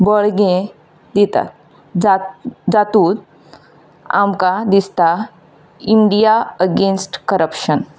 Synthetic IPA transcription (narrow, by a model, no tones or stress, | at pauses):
bəɭɡẽ | d̪it̪a̰t̪ | d͡zat̪uːd̪̚ | a̰mkad̪ist̪a | iɳɖijaəɡensʈkəɾəpʃən